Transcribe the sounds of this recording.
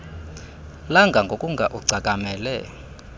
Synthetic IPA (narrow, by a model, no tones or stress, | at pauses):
laŋɡʱaŋɡʱokʼuŋɡʱaʔuɡ͡ǀʱakʼamɛlɛ